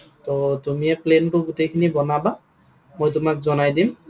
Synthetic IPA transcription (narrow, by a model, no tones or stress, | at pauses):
tɔtumiɛplenpʊɡutejkʰinibɔnaba | mojtʊmak̚zɔnajdim